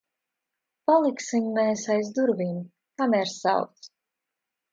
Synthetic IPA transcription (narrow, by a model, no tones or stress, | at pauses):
palˠiksiɲmɛsajzd̪uɾvʲim | kamɛɾsa̰wt̪s